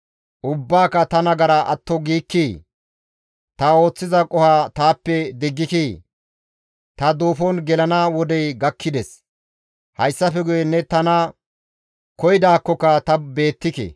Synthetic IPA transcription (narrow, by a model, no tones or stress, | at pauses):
ʔʊbːaːkːɐt̪ɐnɐɡɐɾɐʔɐ̰t̪ːɔɡiːkːiː | t̪ɐo̞ːt͡sːɪzɐkʼɔhaːt̪aːpːɛd̪ɪɡːɪki | t̪ɐd̪oːfɔnɡɛlɐnawɔd̪ɛjɡɐkʰːɪd̪ɛs | hɐjsːɐfɛɡʊjɛnːɛt̪ɐnɐ | kɔjɪd̪aːkːɔkːɐt̪ɐbe̞ːt̪ːɪkɛ̰